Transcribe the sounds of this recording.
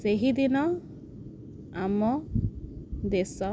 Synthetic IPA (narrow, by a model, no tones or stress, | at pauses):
seɦid̪inɔ | amɔ | d̪esɔ